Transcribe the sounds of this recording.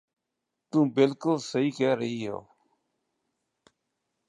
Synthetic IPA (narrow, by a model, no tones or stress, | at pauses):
t̪ũːbɪlkʊlsəɦiːkɛːɾəɦiːɦo̰ː